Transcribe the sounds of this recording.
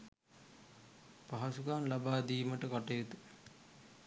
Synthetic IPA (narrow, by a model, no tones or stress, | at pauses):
paɦasukaːnlabaːd̪iːməʈəkaʈejet̪u